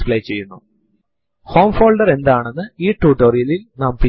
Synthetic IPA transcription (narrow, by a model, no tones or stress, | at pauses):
pɭɐjt͡ɕːe̞jːunːu | ho̞ːmfoːlɖɐre̞nd̪aːɳe̞nːɨiːʈːuːʈoːrijɐlilnɐmpi